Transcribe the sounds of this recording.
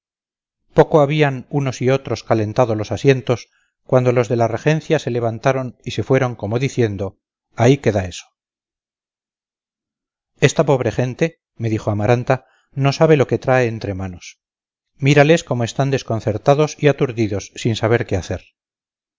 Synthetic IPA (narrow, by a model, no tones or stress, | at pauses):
po̞koaβianuno̞sio̞t̪ɾo̞skale̞nt̪aðolo̞sasje̞nt̪o̞s | kwand̪o̞lo̞zðe̞larexe̞n̟θjase̞le̞βant̪aɾo̞nise̞fwe̞ɾo̞ŋko̞moðiθje̞nd̪o̞ | aike̞ðae̞so̥ | e̞st̪apo̞β̞ɾe̞χe̞nt̪e̞ | me̞ðixoamaɾant̪a | nosaβe̞lo̞ke̞t̪ɾae̞ːnt̪ɾe̞mano̞s | miɾale̞sko̞moe̞st̪and̪e̞sko̞nθe̞ɾt̪aðo̞siat̪uɾðiðo̞sːinsaβ̞e̞ɾkeaθeɾ